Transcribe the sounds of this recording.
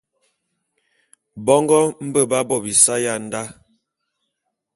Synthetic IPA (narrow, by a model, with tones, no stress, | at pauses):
bɔ˦ŋɡɔ˦m̩˦bə˦˨ba˦bɔ˦˨bi˨sa˦ja˦˨n̩˦da˦